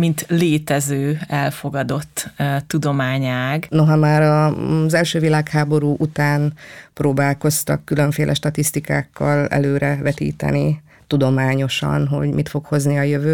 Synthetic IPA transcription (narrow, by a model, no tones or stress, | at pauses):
mint̪leːt̪ɛzøːɛlfo̞ɡɒd̪o̞t̪ːt̪ːud̪o̞maːɲaːɡnoɦɒmaːɾɒzɛlʃøːvilaːkhaːbo̞ɾuːʔut̪aːnproːbaːlko̞st̪ɒ̰kːylø̞ɱfeːlʔɛ̰ʃt̪ɒt̪ist̪ikaːkːɒlɛ̰løːɾɛvɛt̪ḭːt̪ɛ̰ni | t̪ud̪o̞maːɲo̞ʃɒ̰nɦo̞̰ɟmit̪fo̞kho̞zniɒjøvøː